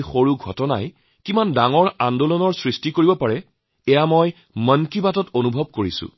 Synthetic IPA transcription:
xoɹuɡʱɔ̰tɔna̰j | kimandaŋɔɹandolɔnɔɹsɹistikoɹibɔpaɹɛ | ɛjamoj | mənkibatɔtonubʱɔb̚koɹisʊ̰̃

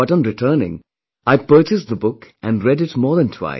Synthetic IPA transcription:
bʌɾn̩ɹɨtʰɜ˞nɪ̰̃ŋ | aɪpɜ˞t͡ʃɨs̚ðəbʊkʔæ̃nɹɛdɪtmɔːɹðə̃ntʰw̥a̰ɪ

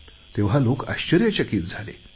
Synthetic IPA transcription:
t̪eʋ̤ɦaloka̰ɕt͡ɕəɾjat͡ɕəkiːt̪d͡zʱalḛ

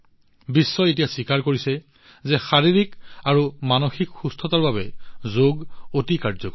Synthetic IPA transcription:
bisːɔet̬ijasikaɹkoɹisɛ | zɛxaɹiɹikaɹumanoxikxustʰɔtaɹbabɛzoɡotikaɹzɔkɔ

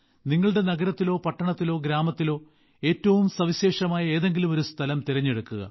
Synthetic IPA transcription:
niŋːɐɭɽe̞nɐɣɐɾɐt̪ːilo̞ːpɐʈːɐɳɐt̪ːilo̞ːɡɾaːmɐt̪ːilo̞ː | e̞ːtːɐʋumsɐʋiɕe̞ːʂɐmaːjɐeːðe̞ŋɡilumo̞ɾust̪ʰɐlɐmt̪iɾɐɲːeɽukːuɣɐ̰

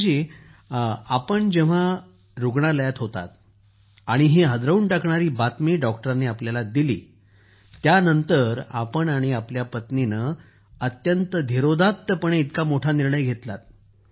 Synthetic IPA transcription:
d͡ʑi | apəɳd͡ʑeʋ̤a | ɾuɡɳaləjat̪ɦot̪a̰t̪̚ | aɽ̃iɦeɦəd̪ɾəuːɳʈakɳaɾiːbat̪miːɖɔk̚ʈəɾaneapljalad̪ilḭː | t̪janənt̪əɾa̰pəɳaɽ̃iapljapət̪ninə | ət̪jənt̪əd̪ʱiɾod̪ʱat̪ːəpəɳ̃eit̪kamoʈʰaniɾɳəjɡʱet̪la̰t̪̚

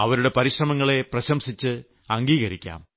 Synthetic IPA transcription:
ɐʋɐɾuɽe̞pɐɾiɕrɐmɐŋːɐɭe̞prɐɕɐmsit͡ɕːɨ | ɐŋɡiːɣɐɾikʲːa̰ːm

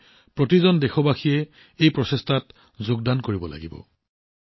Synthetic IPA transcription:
pɹotizɔndɛxɔbaxijɛ | ejpɹɔsestʰat | zʊɡ̚dankoɹibɔla̰ɡibɔ̰

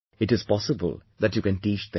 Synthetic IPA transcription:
ɪʈɪz̥pɔsəbə̰ld̪æʈjukɛ̃nʈiːt͡ʃd̪ɪ̃

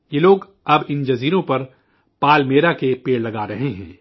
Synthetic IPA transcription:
jeːloːɡ | ɐbɪnd͡ʒɐziːɾõpɐɾ | paːlmeːɾakepeːɽlɐɡaːɾɐɦeɦɛ̰̃ː

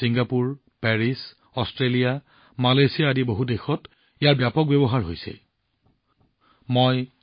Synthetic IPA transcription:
siŋɡapuɹ | pɛɹis | ɔstɹelija | malejsijaːdiboɦudexɔt | ijaɹbjapɔk̚bebɔɦaɹɦo̰jsɛ̰ | moj

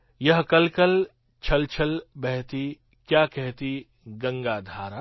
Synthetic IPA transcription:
jɐɦkɐlkɐl | t͡ʃʰɐlt͡ʃʰɐlbɛɦt̪i | kjaːkɛɦt̪i | ɡɐ̃ŋɡaːd̪ʱaːɾaː

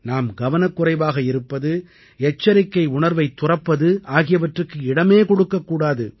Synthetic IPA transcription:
naːmɡɐʋɐnɐkːʊrɐɪʋaːɣɐɪɾɯpːɐðɯ | ɛt͡ʃːɐɾɪkːɐɪʊɳɐɾʋɐɪt̪ːʊrɐpːɐðɯaːɣɪjɐʋɐʈrɯkːɯɪɽɐmeːkɔɽɯkːɐkːuːɽaːðɯ

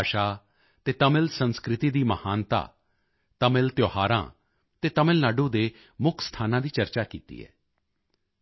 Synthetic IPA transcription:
ʃaː | t̪eːt̪əmɪlsənskɾɪt̪iːd̪iːməhaːnt̪a̰ː | t̪əmɪlt̪joːhaːɾã̰ː | t̪eːt̪əmɪlnaːɖõːd̪eː | mʊkʰst̪ʰaːnãːd̪iːt͡ʃəɾt͡ʃaːkḭːt̪ḭːɦɛ̰ː

